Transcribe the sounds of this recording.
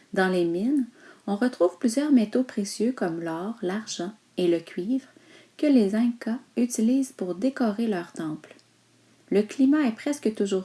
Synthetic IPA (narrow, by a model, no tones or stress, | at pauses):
d̪ɑ̃leminɔ̃ʁət̪χuːv̥plyzjœːʁmet̪opχesjøkɔmlɔːʁlaʁʒɑ̃ | eləkʲɥiːvʁ | kəlezɛ̃kayt̪iliːzpuʁd̪ekɔʁelœːʁt̪ɑ̃pl | ləklimaɛpχɛskət̪uʒuːʁ